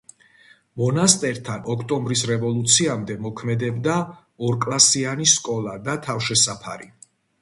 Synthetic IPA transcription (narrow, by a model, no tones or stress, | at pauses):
mɔnast̪ʼɛɾt̪ʰanɔkʰt̪ʼɔmbɾisɾɛvɔlˠut̪sʰiamd̪ɛmɔkʰmɛd̪ɛbd̪a | ɔɾkʼlˠasianiskʼɔlˠad̪at̪ʰafʃɛsapʰa̰ɾi